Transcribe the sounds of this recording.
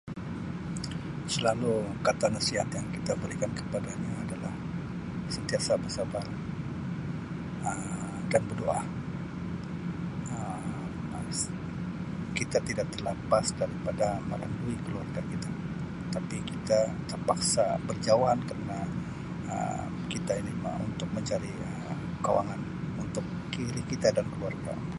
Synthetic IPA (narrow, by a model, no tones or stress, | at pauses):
səlalukat̪anasiɦa̰t̪jaŋkit̪abəɾikankə̥padaɲaːdalah | sənt̪iasabəsabar | ə | danbərdoʔa̰ | ə | as | kit̪at̪idak̚t̪ərlapasdaɾipadaməla̰nduikəluarɡakit̪a | t̪apikit̪at̪ərpaksa̰bərd͡ʒawaɦankəɾəna | ə̰ | kit̪ainima̰ṵnt̪ʊk̚məɲt͡ʃadi | ə | kawa̰ŋan | unt̪ʊkːiɾikit̪adankəluarɡa̰